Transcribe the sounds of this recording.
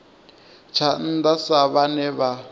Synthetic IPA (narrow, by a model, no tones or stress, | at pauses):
t͡ʃʰan̩d̪asaβanɛβa